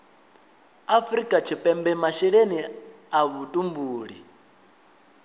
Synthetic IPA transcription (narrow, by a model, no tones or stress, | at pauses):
afɾikʼat͡ʃʰipʼɛmbɛmaʃiɺeni | aβutʼumbuːɺi